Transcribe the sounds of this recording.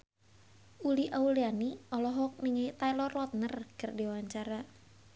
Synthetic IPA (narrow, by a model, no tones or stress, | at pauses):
ʔuliʔaulianiɔlɔɦɔk̚miŋet̪alɔrlɔt̪̚nərkɨrdiwaɲt͡ʃaɾa